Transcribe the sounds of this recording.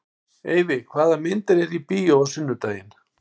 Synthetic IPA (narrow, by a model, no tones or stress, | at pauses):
eːjvɪkʰvaːðamɪnt̪ɪɾɛɾipiːjowasʏnːʏt̪aːjɪn